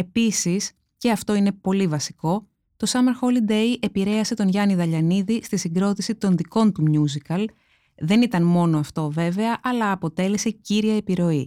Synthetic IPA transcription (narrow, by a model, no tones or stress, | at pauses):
e̞pisis | ce̞ɐft̪o̞ine̞po̞livɐsi̥ko̞ | t̪o̞sɐmɐɾxo̞lid̪e̞jʔe̞piɾe̞ɐse̞t̪o̞nʝɐniðɐʎɐniðist̪isiŋɡɾo̞t̪isit̪o̞nðiko̞nt̪umɲuzikɐl | ðe̞nit̪ɐnmo̞no̞ɐft̪o̞ve̞ve̞ɐʔɐlɐːpo̞t̪e̞le̞se̞ciɾiɐepiɾo̞i